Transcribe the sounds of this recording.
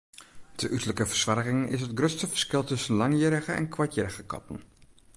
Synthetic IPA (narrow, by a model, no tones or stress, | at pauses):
dəʔytləkəfərswarɣɪŋʔɪ̰sɦət̚ɡrøtstəfər̥skɪlˠtɵsənlɑŋjəɾəɣəɛ̰nkʰwatjɪɾəɣəkɑ̰tən̩